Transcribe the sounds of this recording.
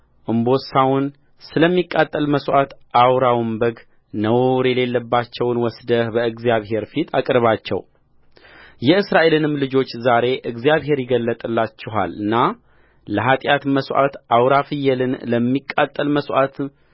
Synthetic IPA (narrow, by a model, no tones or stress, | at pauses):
ʔɨmbo̞sawʊn | sɨləmːikʼːat̪ʼːəlməsʔat̪ʔawɾawɨmbəɡ | nəwɾjɛle̞lːəbːat͡ʃːɛwnwɔsd̪əhbəɨɡzjaβɦe̞ɾfit̪ʰakʼɾβat͡ʃːɛ̰w | jɛɨsɾaʔe̞lɨnɨmːlɨd͡ʒo̞t͡ʃːzaɾe̞ʔɨɡzijaβɦe̞ɾjɪɡəlːət̪ʼɨlːat͡ʃːɛɦa̰lɨnːa | ləɦat̪ʼjat̪məsʔa̰t̪ʔawɾafɨjɛlɨnləmːikʼːat̪ʼːəlməsʔat̪